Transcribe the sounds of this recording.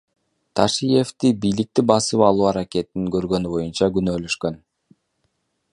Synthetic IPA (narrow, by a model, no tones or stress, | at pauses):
t̪ʰɑʃije̞ft̪ibijlik̚t̪ibɑsɯpɑlˠuːɑɾakʲe̞t̪iniŋɡø̞ɾɡø̞nybo̞junt͡ʃɑɡynø̞ːløʃkø̞n